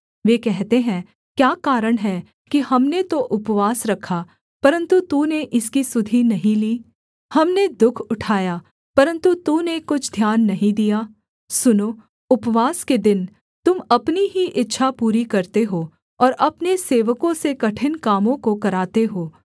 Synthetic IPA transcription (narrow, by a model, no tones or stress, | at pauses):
ʋeːkɛɦt̪eɦɛ̃ | kjaːkaːɾəɽ̃ɦɛ | kihɐmnet̪oʔʊpʋaːsɾɐkʰːa | pɐɾə̃nt̪ut̪uːneʔɪskisʊd̪ʱinɐɦĩliː | hɐmned̪ʊkʰʊʈʰaːja | pɐɾə̃nt̪ut̪unekʊt͡ʃʰd̪ʱjaːnːɐɦĩd̪ijaː | sʊnoː | ʊpʋaːsked̪ɪn | t̪ʊmɐpniɦiʔɪtːʃʰapuːɾikɐɾt̪eɦo | ɔːɾɐpneseːʋəkõsekɐʈʰɪnkaːmõkokɐɾaːt̪eɦoː